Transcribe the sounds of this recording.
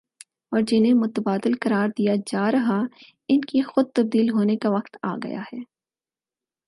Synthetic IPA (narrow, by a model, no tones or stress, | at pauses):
ɔːɾd͡ʒɪnẽmʊt̪əbaːd̪ɪlkɐɾaːɾd̪ijad͡ʒaːɾɐɦa | ɪnkixʊd̪̚t̪ɐb̚d̪iːlɦoːnekaʋɐqt̪a̰ːɡɐ̰ja̰hɛː